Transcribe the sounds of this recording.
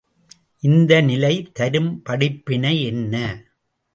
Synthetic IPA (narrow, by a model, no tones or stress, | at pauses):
ʔɪnd̪ɐnɪlɐɪt̪ɐɾɯmpɐɽɪpːɪnɐɛnːɐ